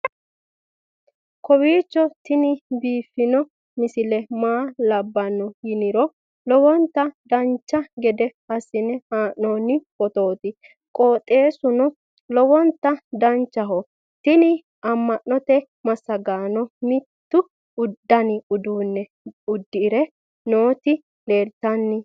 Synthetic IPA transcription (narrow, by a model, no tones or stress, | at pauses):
kɔbiːt͡ʃːɔt̪ɪnɪbiːfːɪnɔ | mɪsɪlɛmaːlɐbːɐnːɔjɪnɪɾɔ | lɔwɔnt̪ːɐd̪ɐnt͡ʃːɐɡɛd̪ɛ | ɐsːɪnɛhaːʔnːɔnɪkʼɔt̪oːt̪ɪ | kʼoːt̪ʼe̞ːsʊnɔ | lɔwɔnt̪ːɐd̪ɐnt͡ʃːɐɦɔ | t̪ɪnɪ | ɐmːɐʔːɔt̪ɛ | mɐsːɐɡaːnɔmɪt̪ːʊ | ʊd̪ːɐnɪʊd̪uːnːɛ | ʊd̪ːɪːɾɛ | noːt̪ɪ | le̞ːɾt̪ːɐnːɪ